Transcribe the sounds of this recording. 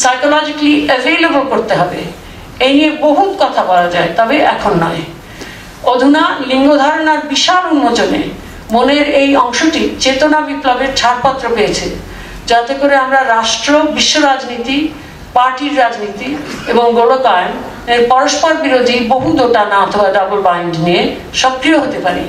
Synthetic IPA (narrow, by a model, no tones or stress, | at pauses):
sajkolɔd͡ʑiʈievejlebolkoɾt̪eɦɔbḛ | ejnieboɦut̪kɔt̪ʰabɔlad͡ʑaet̪ɔbeʔɛkʰonːɔ̰e | od̪ʱunaliŋɡod̪ʱaɾonaɾbiʃaɾunːod͡ʑonḛ | moneɾejɔŋʃoʈit͡ɕet̪onabiplobeɾt͡ɕʰaʈpat̪ːɾopeet͡ɕʰi | d͡ʑat̪ekoɾeamɾaɾaʃʈɾobiʃːoɾad͡ʑnit̪i | paɾʈiɾːad͡ʑnit̪ieboŋɡoɽokajn | eɾpɔɾoʃpɔɾbiɾod̪ʱiboɦud̪oʈanaɔt̪ʰobaɖabolbajnɖnie | ʃɔkɾioɦot̪epaɾḭ